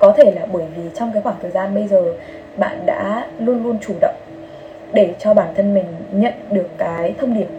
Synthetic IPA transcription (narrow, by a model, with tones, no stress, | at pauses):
kɔ˨˦t̪ʰe˧˩laː˨˩ɓəː˧˩jvi˨˩t͡ɕɔ˧wŋ͡mkaː˨˦jxwaː˧˩ŋt̪ʰəː˨˩jzaː˧nɓə˧jzəː˨˩ | ɓa̰ː˧˨nɗa̰ː˧˥lu˧ənlu˧ənt͡ɕu˧˩ɗə̰˧˨wŋ͡m | ɗe˧˩t͡ɕɔ˧ɓaː˧˩nt̪ʰə˧nmï˨˩ŋ̟ɲə̰˧˨nɗɨ˨˩əkːaː˨˦jt̪ʰə˧wŋ͡mɗi˧˩əm